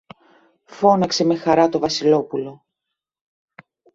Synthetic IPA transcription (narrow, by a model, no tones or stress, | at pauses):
fo̞nɐkse̞me̞xɐɾɐt̪ovɐsilo̞pulo̞